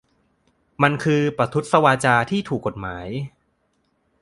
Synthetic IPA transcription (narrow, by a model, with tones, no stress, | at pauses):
ma˧nkʰɯː˧pɾa˧t̪ʰu˦˥t̪̚sa˧waː˧t͡ɕaː˧t̪ʰiː˥˩t̪ʰuː˨˩kːo˨˩t̪̚maː˩˦j